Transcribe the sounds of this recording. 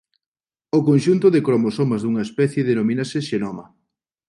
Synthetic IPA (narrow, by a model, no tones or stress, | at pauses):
okonʲʃunt̪ʊðɪkɾomosomazðuŋɐespɛθjeðenominaseʃenomɐ